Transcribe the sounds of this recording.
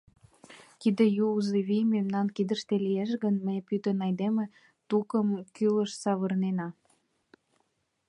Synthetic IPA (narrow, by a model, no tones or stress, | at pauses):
t̪id̪ĕjuzeβijmemnɑnkid̪əʃt̪elijeʃɣənməjpyt̪ənɑjd̪emĕ | t̪ukəmkyləʃsɑβə̆rnenɑ